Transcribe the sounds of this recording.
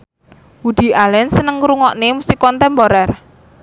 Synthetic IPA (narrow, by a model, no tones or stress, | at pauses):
wud̪̥i̤ʔalɛnsənəŋɾuŋɔʔnemusikɔnt̪ɛmpoɾɛr